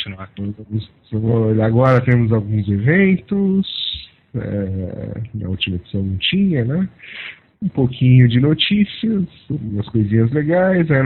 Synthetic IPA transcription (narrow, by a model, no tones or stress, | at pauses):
nãt̪oɐmʊs | aɡɔɾɐt̪ẽmʊzawɡũzevẽnt̪ʊs | ɛ̰ | nɐ̰ut͡ʃimɐed͡ʒi̥sɐ̃w̃nɐ̃w̃t͡ʃĩɲɐnɛ | ũpokʰĩɲʊd͡ʒɪnot͡ʃisiɐs | awɡũmɐskojzĩɲɐzleɡajzĩn